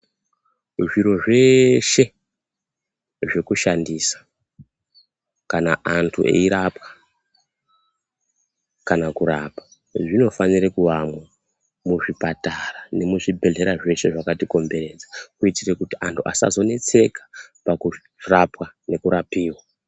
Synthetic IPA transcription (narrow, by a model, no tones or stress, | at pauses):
ʐiɾo̞ʐe̞ʃe̞ | ʐe̞kuʃandiːsḁ | kana̰ʔantʰuʔe̞̰iɾapwḁ | kanakuɾapḁ | ʐino̞fanirekuʋamwa | muʐipatarane̞muʐibʱe̞ɮe̞ɾaʐe̞ʃe̞ʐakatiko̞mbe̞ɾe̞d͡zakuitirekutiʔantʰuʔa̰sa̰zo̞ne̞t͡se̞kḁpaku | rapwane̞kuɾapiːwa